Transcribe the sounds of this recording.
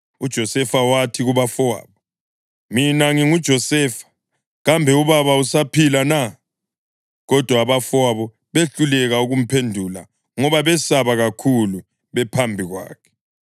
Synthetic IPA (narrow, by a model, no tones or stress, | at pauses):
ud̥ʒ̥ʱɔsɛfawatʰiɣuβafɔwa̰ːβɔ | minaŋiŋud̥ʒ̥ʱɔsɛːfḁ | ɣambʱɛuβaβausapʰilana | ɣɔd̥ʱwaːβafaβɔ | βeɬulɛɣauɣum̩pʰendʱuːla̰ | ŋɔβaβɛsaβaɣakʰulu | βɛpʰambʱiɣwa̰ːkʰɛ̥